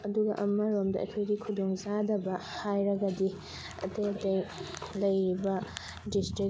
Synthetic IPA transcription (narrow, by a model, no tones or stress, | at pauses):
ɐduɡɐ̰ʔɐmɐɾomdɐ̰ʔɐ̰kʰojɡikʰudoŋzadɐbɐhajɾɐɡɐdi | ɐ̰tejɐtɐjlɐjɾibɐ | distɾi